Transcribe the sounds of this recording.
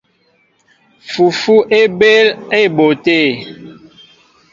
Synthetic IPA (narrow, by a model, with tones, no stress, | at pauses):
fu˨fu˦ʔe˦be˦le˦˨bo˨te˦˨